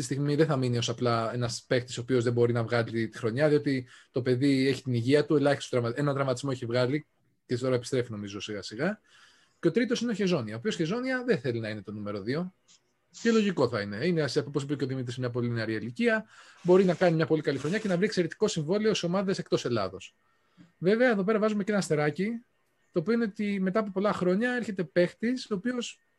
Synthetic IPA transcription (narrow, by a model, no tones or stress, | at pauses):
tist̪iɣmiðeθɐminio̞sɐplɐe̞nɐspe̞xt̪i̥sopio̞zðebo̞ɾinɐvɣɐlit̪i̥xɾo̞ɲɐðio̞t̪it̪o̞pe̞ðie̞çi̥t̪iniʝiɐt̪ue̞lɐçist̪d̪ɾɐmɐt̪enɐnd̪ɾɐmɐt̪izmo̞eçivɣɐli | cet̪o̞ɾɐepist̪ɾe̞fino̞mizo̞siɣɐsiɣɐ | ceo̞t̪ɾit̪o̞sineo̞çe̞zo̞niɐopiosçe̞zo̞niɐðeθe̞linɐine̞t̪o̞nume̞ɾo̞ðio̞ | celo̞ʝiko̞θɐine̞ineɐsɐpoposipeceo̞ðimit̪ɾismɲɐp̬o̞lineɐɾiiliciɐ | bo̞ɾinɐkɐnimɲɐpo̞likɐlixɾo̞ɲɐce̞nɐvɾiksieɾet̪i̥ko̞siɱvo̞lioso̞mɐðese̞k̚t̪o̞se̞lɐ̰ðo̞s | ve̞veɐeðo̞pe̞ɾɐvɐzume̞ce̞nɐst̪e̞ɾɐci | t̪o̞ːpio̞ine̞ot̪ime̞t̪ɐːp̬opo̞lɐxɾo̞ɲɐeɾçe̞t̪e̞pe̞xt̪isoːpio̞s